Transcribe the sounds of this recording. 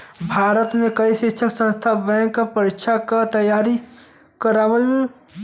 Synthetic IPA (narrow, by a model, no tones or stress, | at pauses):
bʱaːɾət̪mẽkəiʃɪkʃʰəksə̃nst̪ʰabɛ̃ːkːapəɾɪkʃʰakat̪əjaːɾi | kəɾaːʋəl